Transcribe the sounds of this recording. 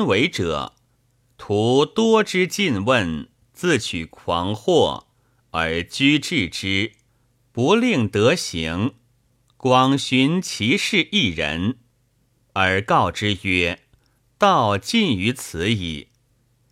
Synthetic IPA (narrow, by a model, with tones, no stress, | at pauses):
nwe˧˥ɪʈ͡ʂɤ̰˨˩˦ | t̪ʰu˧˥t̪wɔ˥ʈ͡ʂɻ̩˥t͡ɕi˥˧nwə˥˧n | t͡sɹ̩˥˩t͡ɕʰy˨˩kʰwɑ̰˧˥ŋxwɔ˥˩ | ə˞˧˥t͡ɕy˥ʈ͡ʂɻ̩˥˩ʈ͡ʂɻ̩˥ | pu˧˥li˥˩ŋt̪ɤ˧˥ɕi˧˥ŋ | kwɑ˨˩ŋɕy˧˥nt͡ɕʰi˧˥ʂɻ̩˥˧ʔi˥˩ɻə̰˧˥n | ə˞˧˥kɑ˥˩ʊʈ͡ʂɻ̩˥ɥɛ˥ | t̪ɑ˥˩˧ʊt͡ɕi˥˩ny˧˥t͡sʰɹ̩˧˥ḭ˨˩